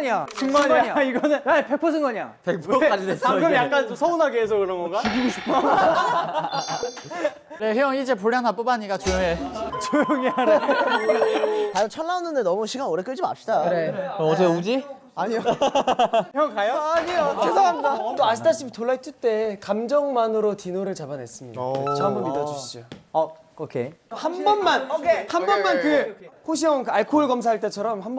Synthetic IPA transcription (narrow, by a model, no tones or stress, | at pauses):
ɲiat͡ɕɯŋɡoaɲaiɡʌnɯnape̞k̚pʰos̬ʰɯŋɡaɲia̰pek̚pʰk͈ad͡ʑides͈ʌɡɯmjakk͈anomsʰʌunaɡeːs̬ʰʌkɯɾʌnɡʌnɡaiɡiɡisuto | nehjʌŋid͡ʑe̞p̬oɭjanɦap͈obaɲik͈at͡ɕojoŋet͡ɕojʌŋiaɾ | aɯnt͡ɕʰʌnːaonːɯndenʌmuɕʰiɡanoɾe̞k͈ɯɭd͡ʑima̰pɕ͈idaneʌd͡ʑeud͡ʑi | aɲio | kajoɲiot͡ɕʰesaamidat͈oaɕitaɕ͈ʰipʰitoɭːaɦit͈ʰɯt͈e̞kamd͡ʑʌŋmanɯɾotinoɾɯɭt͡ɕabanɦes͈ɯmɲidat͡ɕʰamɯmːidʌd͡ʑuɕ͈ioʌ | kokʰḛhanbʌnmanhanbʌnmankɯhoɕ̬ʰiʌŋkɯaɭkʰoɦuɭɡʌms̬ʰaɦaɭt͈e̞t͡ɕʰʌɾʌmhamb